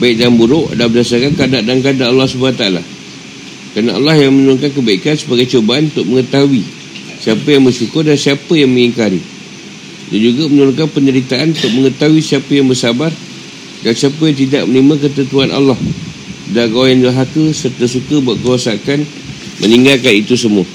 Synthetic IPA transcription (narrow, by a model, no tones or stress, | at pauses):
baɪk̚danbuɾʊʔdabədasarkankadaʔdankadaalːɑhsəbaat̪aala̰ | kəɾanaʔa̰lːɑhjaŋmənuɾʊŋkank̬əbaikansəbaɡajt͡ʃobaanunt̪ʊk̚məŋə̃t̪auwi | siapəjaŋbərsukʊrdansiapəjaŋməŋiŋkaɾḭ | dand͡ʒuɡamənuɾaŋkanpəɲd͡ʒəɾit̪aʔanunt̪ʊk̚məŋət̪auisiapəjaŋbərsabar | dansiapəjaŋt̪ida̰ʔ̚mənimãk̬ət̪ənt̪uanʔa̰lːɑh | daɡawajandəɦakəsərt̪əsukəbuaʔkəɾuasakan | mʔə̃niŋɡalkanit̪us̬əmua